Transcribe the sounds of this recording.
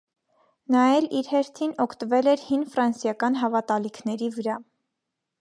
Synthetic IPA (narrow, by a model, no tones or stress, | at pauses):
nɑjɛliɾhɛɾt̪ʰinɔkʰt̪əvɛlɛɾhinfɾɑnsjɑkɑn̪ɦɑvɑt̪ɑlikʰnɛɾivəɾɑ